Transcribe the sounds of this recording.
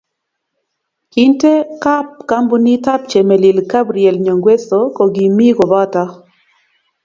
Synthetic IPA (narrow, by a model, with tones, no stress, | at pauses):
ki˦nte˦ka˦p̚ka˦mbu˦ni˦ta˦p̚t͡ʃe˨me˨li˨lka˦bɾiɛ˨lɲo˨ŋɡwe˦so˨kɔ˨ɡi˨mi˦ɡo˨bɔ˦ta˦